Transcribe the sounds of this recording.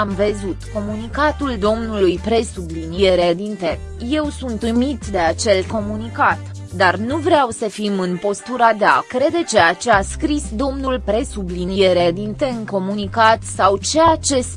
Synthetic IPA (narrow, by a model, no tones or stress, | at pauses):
amvezut̪ko̞munikat̪uld̪o̞mnulujpɾe̞sublinije̞ɾed̪int̪e̞ | je̞wsunt̪ɨmit̪d̪e̞at͡ʃe̞lko̞munikat̪ | d̪arnuvɾeawsəfimɨnpo̞st̪uɾad̪eakɾe̞d̪et͡ʃe̞jat͡ʃe̞askɾisd̪o̞mnulpɾe̞sublinije̞ɾed̪int̪eɨŋko̞munikat̪sawt͡ʃejat͡ʃe̞s